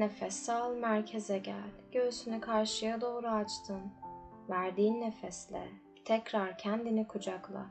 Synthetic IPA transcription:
nefɛsːalˠmæɾcʰezɛɟæ̰lʲɟ̥øsynykʰaɾʃɯjad̪o̞ːɾuat͡ʃt̪ʰɯm | væɾd̪iːnːefɛslʲɛ̰ | t̪ʰɛcɾaɾcʰænd̪inikʰud͡ʒaklˠa̰

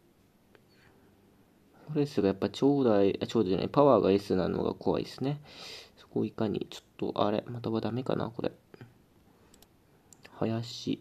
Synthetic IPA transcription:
koɾeesɨɡajapːat͡ɕoːd̪aiat͡ɕo̞ːd̪ona̰ipaβaːɡaisɨnano̰ɡa̰kʰo̞βa̰ḭsɨne̞so̥koikaɲ̟ḭt͡ɕo̥t̪ːo̞̰ʔa̰ɾe̞̰mat̪aβad̪ame̞ka̰na̰ko̞ɾḛ | hajaɕi

